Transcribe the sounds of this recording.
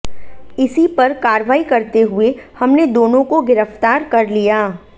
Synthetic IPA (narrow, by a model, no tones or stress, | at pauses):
ɪsipɐɾkaːɾʋaːikɐɾt̪eɦuehɐmned̪oːnõkoɡɪɾəft̪aːɾkɐɾlijaː